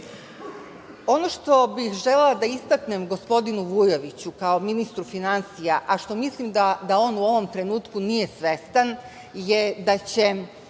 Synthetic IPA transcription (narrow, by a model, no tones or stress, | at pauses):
o̞no̞ʃt̪o̞bixʒelelˠad̪aist̪akne̞mɡo̞spo̞d̪inuʋujo̞ʋit͡ɕukao̞minist̪ɾufinansijaʔaʃt̪o̞mislimd̪ad̪ao̞ːnuo̞ʋo̞mt̪ɾe̞nuːt̪kunije̞sʋest̪an | jed̪at͡ɕe̞